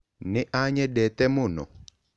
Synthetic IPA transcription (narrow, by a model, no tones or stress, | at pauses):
nɪʔaɲɛdɛt̪ɛmʊnɔ̰